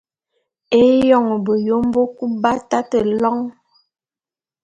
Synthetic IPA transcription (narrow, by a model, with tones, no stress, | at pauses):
e˦jɔ˦˨ŋ˨bə˨jo˦m˦bo˦ku˦ba˦ta˦tə˨lɔ˦ŋ